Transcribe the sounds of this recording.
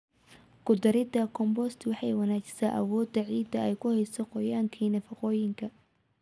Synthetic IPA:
ɡʊd̪ɐɾɪd̪ɐkʰɔmbɔst̪ʰwɑħɑjwɑnaːt͡ʃɪ̥saʔɐ̰wɔːd̪ɐʕiːd̪ɐɛjkʰʊhɛjsɔqɔjaːŋkʰiːnɐfɐqɔːjɪŋkʰɐ

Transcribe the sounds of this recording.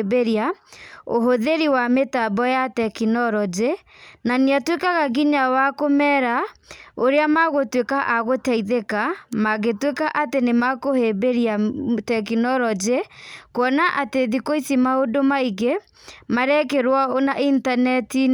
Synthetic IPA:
beɾiaoɦoðeɾiwametabɔjatɛkinɔɾɔd͡ʒe | naneatwekaɣaɡiɲawakomɛɾaoɾeamaɣotwekaʔaɣotaiðekamaɣetwekaʔatenemakohebeɾiatɛkinɔɾɔd͡ʒekwɔnaʔateðikoisimaodomaiɣe | maɾɛkeɾwaonaʔintanɛti

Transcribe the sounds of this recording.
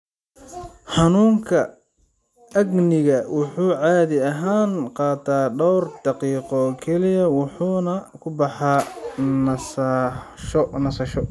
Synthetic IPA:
ħɑnuːŋkʰɐ | ɐɡnɪɣɐwʊħuːʕɑːðɪɐɦaːnqɑːt̪ʰaːɖɔwrd̪ɑqiːqɔkʰɛlɪjɐwʊħuːnɐkʰʊbɑħɑːnɐs | ʃɔnɐsɐʃɔ

